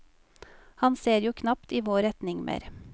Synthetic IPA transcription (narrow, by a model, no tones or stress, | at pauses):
hɑnseːɾjuːkʰnɑpt̪iːʋoːɾɛt̪nɪŋmʔḛːɾ